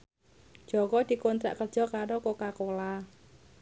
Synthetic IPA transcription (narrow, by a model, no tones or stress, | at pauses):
d͡ʒ̥ɔkɔd̪̥i̤kont̪ɾa̰ʔkərʒ̥ɔ̤kaɾokokakola